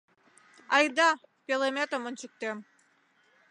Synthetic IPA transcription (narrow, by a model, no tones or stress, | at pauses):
ɑjd̪ɑ | pʲelemʲet̪omənt͡ɕuk̚t̪em